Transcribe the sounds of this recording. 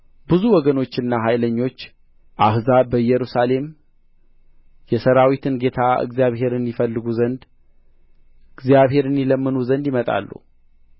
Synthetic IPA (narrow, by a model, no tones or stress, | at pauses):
bɨzuwɔɡəno̞t͡ʃːɨnːaɦajləɲːo̞t͡ʃː | ʔahzabəjɛɾusale̞m | jɛsəɾawit̪ʰɨnɡe̞t̪ʰaɨ̰ɡzijaβhe̞ɾɨnifəlːɨɡuzənd̪ | ɨɡzjaβɦe̞ɾɨniləmːɨnuzənd̪jimət̪ʼa̰lːṵ